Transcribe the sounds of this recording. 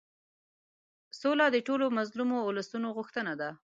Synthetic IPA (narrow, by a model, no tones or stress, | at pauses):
solɑd̪əʈolomazlumoːlasunoɣʊxt̪ənad̪a